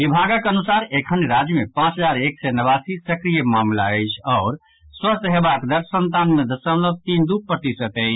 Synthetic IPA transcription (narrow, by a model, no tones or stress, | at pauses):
ʋibʱaɡəkənusaɾekʰənɾad͡ʒjəmepãt͡ʃɦəd͡ʒaɾeksɛnəβasisəkɾijəmamlaəɪt͡ʃʰɔːɾ | swəst̪ʰɦebakd̪əɾsənt̪anmed̪əsəmləb̚t̪ind̪up̚pːɾət̪isət̪ə